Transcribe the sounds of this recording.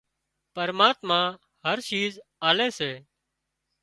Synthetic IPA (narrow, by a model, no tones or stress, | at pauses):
pəɾmaːt̪mãː | ɦəɾt͡ʃiːzaːleːseː